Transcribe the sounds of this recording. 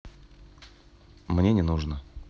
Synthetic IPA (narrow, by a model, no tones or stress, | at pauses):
mnʲenʲɪnuʐnə